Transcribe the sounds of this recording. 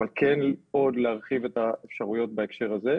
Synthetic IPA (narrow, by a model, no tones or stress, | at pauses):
alkʰeno̞dleaʁχivet̪aefʃaʁujo̞t̪̚baekʃe̞ʁaze